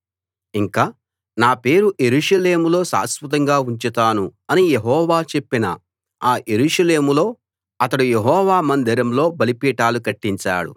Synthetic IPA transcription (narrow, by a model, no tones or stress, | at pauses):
iŋkaː | naːpe̞ːɾuje̞ɾuːʂɐle̞ːmulo̞ːsa̰ːspɐt̪̬ɐŋɡaːuɲt͡ʃit̪aːnuɐnijeɦɔːʋaːt͡ʃe̞pːinɐ̰ | aːje̞ɾuːʂɐle̞ːmulo̞ː | ɐt̪ɐɽujeɦɔːʋaːmɐnd̪iɾɐmlo̞ːbɐlipiːʈaːlukɐʈːiɲt͡ʃa̰ːɽṵ